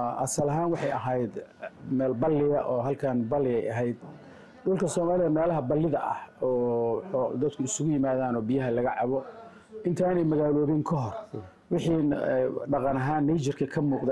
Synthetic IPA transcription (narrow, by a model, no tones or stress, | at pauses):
ʔɐ̰sɐlɐɦaːnwɑħɑjɐɦɛjd̪mɛːlbɐlːɪɣɐʔɔːɦɐlkʰɐnbɐlːɪɛjɐɦɛjd̪ | ɖʊlkʰɐsɔːmaːlɪðɐmɛːlɐɦɐbɐlːɪðɐʔɐ̰hɔː | d̪ɐd̪kʰʊɪsʊɣʊjɪmaːðaːnɔːbijɐɦɐlɐɣɐʕɑβɔ | ʔɪnt̪ʰaːnɛjmɐɣaːlɔːβɪŋkʰɔɦɔr | wɪħiːɖɑqɑnɐɦaːnːɛjt͡ʃɐrkʰɐkʰɐmuːqd̪ɛ